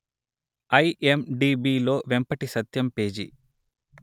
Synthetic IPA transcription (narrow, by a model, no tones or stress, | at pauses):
ɐjemɖiːbiːlo̞ːʋempɐʈisɐt̪jɐmpe̞ːd͡ʒḭ